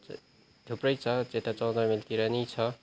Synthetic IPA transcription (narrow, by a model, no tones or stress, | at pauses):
d̪ʱupɾʌjt͡sʰʌt͡set̪at͡sʌw̃d̪ʌmilkiɾanit͡sʰʌ